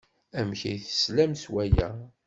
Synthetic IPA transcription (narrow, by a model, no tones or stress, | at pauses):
æmçæjθə̥slæmswæjæ